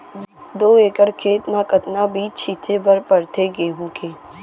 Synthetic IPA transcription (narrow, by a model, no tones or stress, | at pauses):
d̪oːeːkəɽkʰeːt̪mãːkət̪nabiːt͡ʃʰit̪ʰebəɾpəɾt̪ʰeɡeːɦũkeː